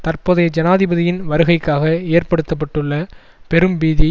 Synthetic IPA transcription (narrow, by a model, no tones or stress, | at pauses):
t̪ɐrpoːðɐjd͡ʒɐnaːðɪbɐðɪjɪnʋɐɾɯɣɐɪkːaːɣɐeːrpɐɽɯt̪ːɐp̬ːɐʈːɯɭːɐ | pɛɾɯmbiːði